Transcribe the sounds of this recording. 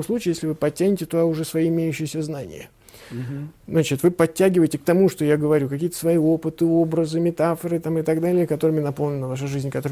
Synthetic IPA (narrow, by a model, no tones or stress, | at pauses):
mslˠut͡ɕɪəjesʲlʲɪvɨpɐtʲːænʲɪtʲɪt̪oɐʊʐɛsvɐjiɪmʲejʉɕːɪjɪsʲəznanʲɪ̰jə | znat͡ɕɪt̪vɨpɐtʲːæɡʲɪvəjɪtʲɪk̚t̪ɐmuʂt̪o̞jaɡəvɐɾʲukɐkʲijət̪ə̥svɐio̞pɨt̪ɨo̞bɾəzɨmʲɪt̪afəɾɨt̪amɨt̪ɐɡd̪alʲɪjəkɐt̪o̞ɾɨmʲɪnɐpo̞lˠnʲɪnəvaʂ̬əʐɨzʲnʲkɐt̪o̞ɾ